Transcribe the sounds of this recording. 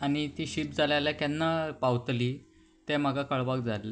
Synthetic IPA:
añit̪iːɕip̚d͡zalaljakanːapawt̪liː | t̪ɛm̤aɡʱakəɭʋak̚d͡zall

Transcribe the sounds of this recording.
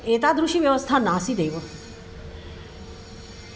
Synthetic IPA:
et̪ad̪ɾuʃiʋjəʋəst̪ʰanaːsid̪ejʋo

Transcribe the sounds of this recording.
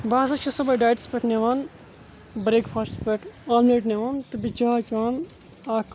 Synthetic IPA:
baːsɐt͡ʃʰisɐbɐjɖaːjʈspeʈʰneʋaːn | bɾeːkpʰaːspeʈʰaːlmleːʈneʋaːnt̪ɨbit͡ʃaːt͡ʃʋaːn | aːk

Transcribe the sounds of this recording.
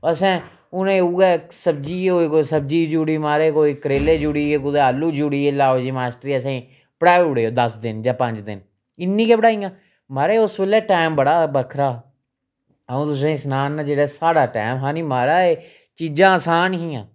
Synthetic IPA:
əsɛ̃ː | ʊnẽːuːɛːsəb̚d͡ʒiːoːeːkoisəb̚d͡ʒiːd͡ʒuːɽiːmaːɾeːkoːiːkəɾeːleːd͡ʒʊɽiːeːkʊd̪eaːlːuːd͡ʒuːɽiːeːlaːod͡ʒiːmaːsʈɾiːəsẽ | pəɽaːʊɽeːoːd̪əsd̪ɪnd͡ʒãːpəɲd͡ʒd̪ɪ̰n | ɪnːĩːkeːbəɽaːijãː | maːɾeːʊsbeleːʈaːɪmbəɽaːbəkʰɾaː | əũːt̪ʊs̬ẽːsnaːnːaːd͡ʒeːɽaːsaːɽaːʈaːmɦãːnimaːɾaːeː | t͡ʃiːd͡ʒãːəsaːnɦĩːãː

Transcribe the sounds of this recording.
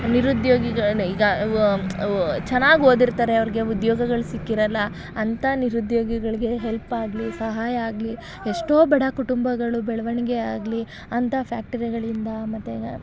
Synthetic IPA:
niɾud̪joːɡiɡɐiːɡɐ | t͡ʃɛnːaːɡo̞ːd̪iɾt̪aːɾe̞ɐʋɐɾiɡe̞ud̪joːɡɐɡɐɭusikːiɾɐlːɐ | ɐnt̪ʰɐniɾud̪joːɡiɡɐɭiɡe̞ɦelpaːɡlisɐɦaːjɐaːɡli | eʂʈo̞ːbɐɽɐkuʈumbɐɡɐɭubɛɭɐʋɐɳiɡea̰ːɡli | ɐnt̪ʰɐpʰjaːk̚ʈɐɾiɡɐɭind̪ɐmɐt̪ːe

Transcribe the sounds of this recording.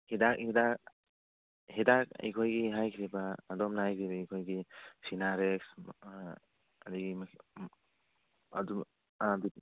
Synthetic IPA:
hidakhidak̚ | hidak̚ḭjkʰɔjɡiɦajkʰiɾibaːdɔmnahajkʰiɾibaikʰɔjɡisinaɾeks | adiɡim | adɔm | adi

